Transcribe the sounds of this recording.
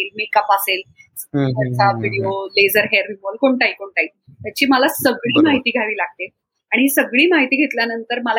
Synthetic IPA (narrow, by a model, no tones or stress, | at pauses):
ilmikəpaselsəɾt͡saʋiɽioled͡zəɾɦeɾiməlkoɳʈaikoɳʈai | t̪jat͡ɕiːməlasəɡɭiːmaɦit̪iːɡʱaʋiːlaɡ̚t̪e | aɽ̃iɦisəɡɭiːmaɦit̪iːɡʱet̪ljanənt̪əɾməla